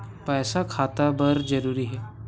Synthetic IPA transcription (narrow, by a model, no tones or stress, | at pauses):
pɛːsakʰat̪abəɾd͡ʒəɾuːɾiːɦɛ